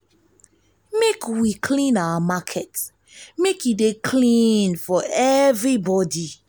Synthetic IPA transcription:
mekwikʰlĩnawəmakʰɛt | mekjudekʰlĩnfɔɛvɹibɔdi

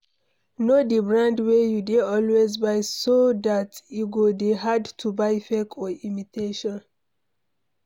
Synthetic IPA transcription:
nodibɹãndwejudeɔlwezbajsodatiɡodeɦadtʰubajfɛkʰɔimitʰeʃɔ̃n

